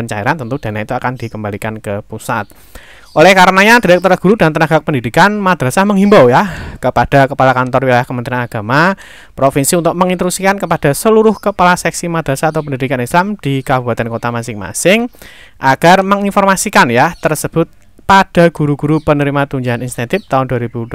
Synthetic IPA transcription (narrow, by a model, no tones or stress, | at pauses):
əɲt͡ʃaḭɾant̪ənt̪ud̥a̤nahit̪uakand̥ikəmbalikankəpusa̰t̪̚ | ʔolɛhkaɾənaɲad̥iɾɛk̚t̪ɔɾaɡ̥uɾudant̪ənaɡak̚pəndidikanmad̪̥ɾasaməŋɦimbawjakəpad̥akəpalakant̪ɔrwilajahkəmənt̪ɾianaɡ̥a̤ma | pɾofinsiunt̪ʊk̚məŋint̪əɾusikankəpad̥a̤səluɾʊhkəpalasɛksimad̪̥ɾasaːt̪awp̬əndidikanislamd̥ikabuba̤t̪ɛnkot̪amasɪŋma̰sɪŋ | ʔaɡ̥arməŋinfɔrmasikanjat̪ərsəb̥ʊt̪̚ | pad̥a̤ɡ̥uɾuɡ̥uɾupənəɾimat̪uɲd͡ʒaɦaninst̪ɛnt̪ɪft̪aʊnduwaɾib̥u